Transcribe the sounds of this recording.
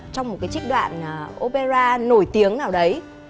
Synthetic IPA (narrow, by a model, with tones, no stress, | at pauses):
t͡ɕɔ˧wŋ͡mmo˨˩t̚kaː˨˦jt͡ɕi˦˥k̚ɗwa̰ː˧˨n˨˩ʔo˧pe˧zaː˧no˧˩jt̪i˨˦əŋnaː˨˩wɗə˨˦j